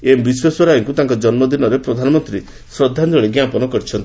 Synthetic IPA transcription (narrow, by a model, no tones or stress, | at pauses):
embiswesɔɾaiŋkut̪ãŋkɔd͡ʒɔnmɔd̪inɔɾepɾɔd̪ʱanɔmɔnt̪ɾi | sɾɔd̪ʱːand̪oɭeɡjapɔnɔkɔɾit͡ʃʰɔnt̪i